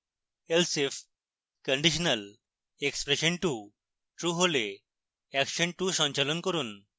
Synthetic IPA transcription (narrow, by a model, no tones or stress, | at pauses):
elsef | kəɳɖiʃ̬ənəl | ekspɾeʃəɳʈu | ʈɾuɦole | ɛkʃəɳʈuʃɔɲt͡ɕalonkoɾun